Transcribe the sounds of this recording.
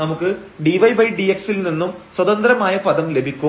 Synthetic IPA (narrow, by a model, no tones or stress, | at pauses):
ɐmukːɨɖiʋɐjbɐjɖieksilninːumswɐd̪ɐnd̪ɾɐmaːjɐpɐd̪ɐmle̞bʱikʲːu